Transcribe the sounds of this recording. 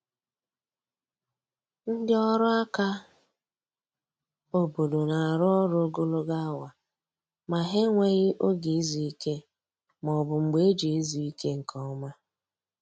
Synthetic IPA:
n̩˦dɪ˦ɔ˦ɾʊ˦a˦ka˦ | o˨bo˨do˨na˨a˨ɾʊ˦ɔ˦ɾɡo˦lo˦ɡa˦wa˨ | ma˨ɦe˦ŋʷe˦ɣɪ˦ʔo˦ɡi˨i˦zi˨i˦ke˦ | mɔ˨bʊ˨ŋ͡m̩˨ɡ͡be˦d͡ʒe˨i˦zi˨i˦ke˦ŋ̩˨kʰɔ˦ɔ˦ma˦

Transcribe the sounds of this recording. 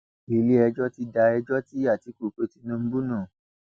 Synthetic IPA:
i˨li˦ɛ˧d͡ʒɔ˦ti˧da˧ɛ˧d͡ʒɔ˦ti˦a˦˨ti˨˦ku˦˨k͡pe˧ti˧nũ˧m̩˦bu˦nũ˦˨

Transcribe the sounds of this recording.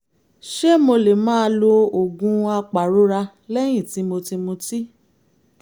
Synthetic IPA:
ʃe˦mo˧le˨mãː˦˧˦lo˧o˨ɡũ˧a˧k͡pa˨ɾo˨˦ɾa˧ | lɛ˦j̃ĩ˦˨ti˨˦mo˧ti˧mũ˧ti˦

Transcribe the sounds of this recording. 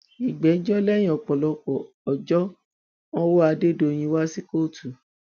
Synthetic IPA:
i˨ɡ͡bɛ˨˦d͡ʒɔ˦lɛ˦jĩ˦˨ɔ˨k͡pɔ˨lɔ˧kɔ˨ | ɔ˨d͡ʒɔ˦ | nɔ̃˦wo˦a˧de˦˨do˧˨j̃ĩ˧wa˦si˦ko˦˨tu˨

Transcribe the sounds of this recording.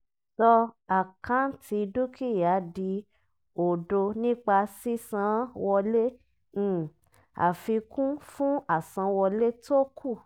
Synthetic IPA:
sɔ˧a˨kã˦tʰi˧du˦kʰi˦˨ja˨˦di˧ | o˨do˧nĩ˦k͡pa˧si˦sã˧˦wɔ˧lẽ˦˨ | a̰˨fi˧kũ˦fũ˦a˨sã˨˧˦wɔ˧le˦to˦kʰu˦˨

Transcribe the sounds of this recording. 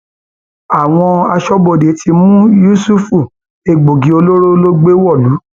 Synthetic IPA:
a˨w̃ɔ̃˧a˧ʃɔ˦bo˧˨de˨˦tʰi˧mũ˦ju˦su˦fu˦˨ | e˧˨ɡ͡bo˨ɡi˨˦o˧lo˦ɾo˦lo˦ɡ͡be˦wɔ˦˨lu˨˦

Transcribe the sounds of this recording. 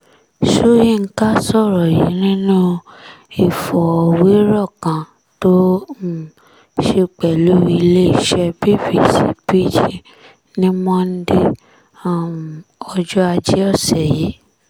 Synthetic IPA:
ʃo˦ji˦˨˧ka˦sɔ˦˨ɾɔ˨ji˨˦nĩ˦nũ˦ | i˦˨fɔ˨ɔ˨we˨˦ɾɔ˦˨kã˨ | to˦˨ | ʃe˧k͡pɛ˨lu˨˦i˧le˦i˦˨ʃɛ˧bi˦fi˦˨sḭ˨˦pi˦d͡ʒi˦ | nĩ˦mɔ̃˦n̩˦de˦ | a˦˨m˨ɔ˧d͡ʒɔ˦a˧d͡ʒe˦ɔ˦˨sɛ˨ji˨˦

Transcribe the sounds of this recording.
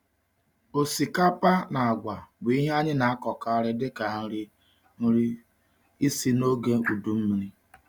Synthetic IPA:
o˨si˨ka˦pa˦na˨a˨ɡʷa˨bi˦ɦe˦a˦ɲɪ˦na˨a˦kɔ˨ka˦ɾɪ˦dɪ˦ka˨ŋ̩˦ɾi˦ | ŋ̩˦ɾi˦ | i˦si˦no˦ɡe˦u˨du˨m̩˦m˦ɾi˦

